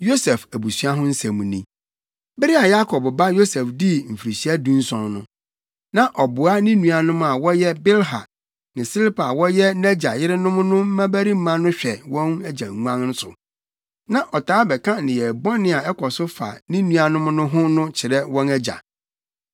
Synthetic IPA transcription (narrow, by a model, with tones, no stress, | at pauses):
jo˦sɛ˨fæ˨bu˨sɥa˦ɦʊ̃˦n̩˦sɛ̃˨mũ˨nĩ˨ | bɪ˦ɾɪ˦a˨ja˦kʰɔ˨bba˦jo˦sɛ˨fdi˦m̩˨fi˨ɾi˨ɕi˦a˦dũ˦n̩˦sɔ̃˨nnʊ̰̃˦ | nã˨ʔɔ˨bʊ˨a˦nĩ˦nũ˨a˨nʊ̃˦ma˨wɔ˦jɛ˦bɪ˦lɦa˨ | nɪ̃˨si˦lpʰa˨wɔ˦jɛ˦nɛ˦d͡ʑa˨jɪ˦ɾɪ˦nʊ̃˦m˦nʊ̃˦m̩˦mã˦bæ˦ɾi˦m̩˦mã˦nʊ̃˦ɕᶣɛ˨wɔ̃˦næ˦d͡ʑa˨ŋ˨ŋ˦ã˦ŋnʊ̃˦sʊ̰˨ | nã˨ʔɔ˨tʰaː˨˦bɛ˨kʰã˦nɪ̃˨jɛ˨bɔ̃˦nɪ̃˨a˨ɛ˦kʰɔ˨sʊ˦fa̰˨nĩ˦nũ˦a˨nʊ̃˦m˦nʊ̃˦ɦʊ̃˦nʊ̃˦t͡ɕʰɪ˨ɾɛ˦wɔ̃˦nɛ˦d͡ʑa̰˨